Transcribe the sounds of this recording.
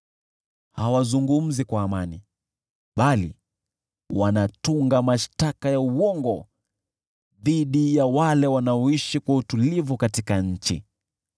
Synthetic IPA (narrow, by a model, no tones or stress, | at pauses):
hawazuŋɡum̩zikwaːmani | ɓalḭ | wanatuŋɡamaʃtakajauwɔŋɡɔ | ðiɗijawalɛwanaɔiʃikwautulivukatikaɲ̩t͡ʃḭ